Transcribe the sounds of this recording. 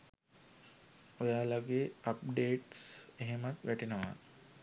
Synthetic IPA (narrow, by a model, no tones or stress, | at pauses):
ojaːlaɡeːap̚ɖeːʈseɦemat̪ʋæʈinəʋa̰